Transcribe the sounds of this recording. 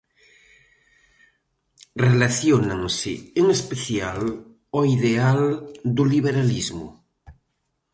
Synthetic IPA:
relaθjonaŋsɪ̰eŋespeθjal | oiðeald̪uliβ̞eɾalizmʊ̰

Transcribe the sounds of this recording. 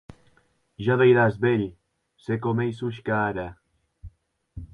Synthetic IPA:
ʒaðejɾazbeʎ | sekomejsuʃkaːɾa

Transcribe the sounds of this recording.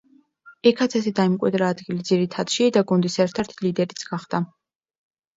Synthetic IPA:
ɛkʰat̪sʰɛsɛd̪aimkʼwḭd̪ɾaːd̪ɡilid̪ziɾit̪ʰad̪̥ʃid̪aɡund̪isɛɾt̪ʰɛɾt̪ʰlid̪ɛɾit̪sʰɡ̥aχd̪̥a

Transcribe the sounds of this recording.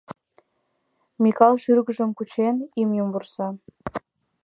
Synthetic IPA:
mʲikɑlʃyrɣə̆ʒə̆mkut͡ɕenimjumbursɑ

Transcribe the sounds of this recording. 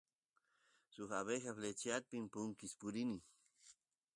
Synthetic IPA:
suxaβexaflet͡ʃjat̪̚pimpuŋkispuɾini

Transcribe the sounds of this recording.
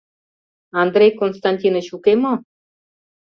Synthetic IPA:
ɑnd̪ɾejkonst̪ɑnʲtʲinət͡ɕukemo

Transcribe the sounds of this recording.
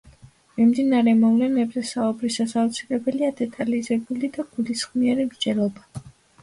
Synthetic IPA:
mimd̪inaɾɛmɔvlɛnɛbzɛsaubɾisasaut̪sʰilɛbɛliad̪ɛt̪ʼalizɛbulid̪aɡ̥ulisχmiɛɾimɾd͡ʒɛlˠɔba

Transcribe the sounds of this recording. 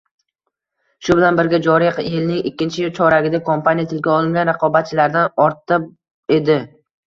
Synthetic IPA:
ʃʊbɪlanbɪɾɡʲad͡ʒɒɾijqjelnɪŋɪkʲːɪnt͡ʃʰɪt͡ʃʰɒɾaɡʲɪd̪akʰompanijat̪ʰɪlɡʲaɒlˠɪŋɡʲanɾɑqʰɒbat̪̚t͡ʃʰɪlaɾd̪anɒɾt̪ɨp | e̞d̪ɪ

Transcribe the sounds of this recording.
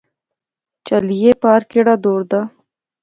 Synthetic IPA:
t͡ʃɐlijepɑːɾkɪɽad̪oːɾd̪a

